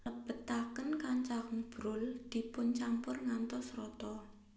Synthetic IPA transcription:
ləb̥ə̤t̪akənkaɲt͡ʃaɾəŋb̥ɾʊld̪̥i̤pʊnt͡ʃampʊrŋant̪ɔsrɔt̪ɔ

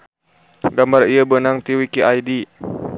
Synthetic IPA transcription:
ɡamarijabənaŋt̪iwikiʔajdi

